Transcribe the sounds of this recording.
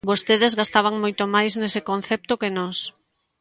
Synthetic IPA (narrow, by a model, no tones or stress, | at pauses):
bost̪eðezɣast̪aβ̞aŋmojt̪omajznesekon̟θɛp̚t̪okenɔs